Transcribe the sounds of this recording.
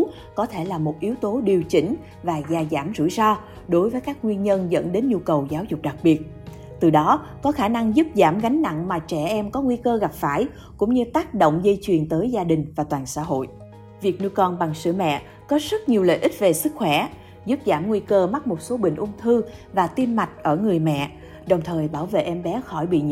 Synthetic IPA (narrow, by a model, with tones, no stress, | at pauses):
kɔ˨˦t̪ʰe˧˩laː˨˩mo˨˩t̚ʔi˨˦əwt̪o˨˦ɗi˨˩əwt͡ɕï˧˦ŋ̟ | vaː˨˩zaː˨˩zaː˧˩mzɨ̰˧˥˨jsɔ˧ | ɗo˨˦jvəː˨˦jkaː˦˥k̚ŋwi˧ənɲə˧nzə̰˧˥nɗe˨˦nɲu˧kə˨˩wzaː˨˦wzʊ˨˩k͡p̚ɗa˨˩k̚ɓi˨˩ət̚ | t̪ɨ˨˩ɗɔ˨˦kɔ˨˦xaː˧˩na˧ŋzu˦˥p̚zaː˧˩mɣa˨˦jŋ̟na̰˧˨ŋmaː˨˩t͡ɕɛ˧˩ʔɛ˧mkɔ˨˦ŋwi˧kəː˧ɣa˨˩p̚faː˧˩j | kʊ̰˧˥ŋ͡mɲɨ˧t̪aː˦˥k̚ɗo̰˧˨wŋ͡mzə˧jt͡ɕwi˨˩ənt̪əː˨˦jzaː˧ɗï˨˩ŋ̟vaː˨˩t̪waː˨˩nsa̰ː˧˥ɦo̰˧˨j | vi˨˩ək̚nɨ˧kɔ˧nɓa˨˩ŋsɨ̰˧˩mɛ̰˧˨ | kɔ˨˦zə˦˥t̚ɲi˨˩əwlə̰˧˨ʔï˦˥t̚ve˨˩sɨ˦˥k̚xwɛ˧˩ | zu˦˥p̚zaː˧˩mŋwi˧kəː˧ma˦˥t̚mo˨˩t̚so˨˦ɓḭ̈˧˨ŋ̟ʔʊ˧ŋ͡mt̪ʰɨ˧ | vaː˨˩t̪i˧mma˨˩jk̚ʔəː˧˩ŋɨ˨˩əjmɛ̰˧˨ | ɗə˨˩wŋ͡mt̪ʰəː˨˩jɓaː˧˩wvḛ˧˨ʔɛ˧mɓɛ˨˦xɔ˧˩jɓḭ˧˨ɲ˧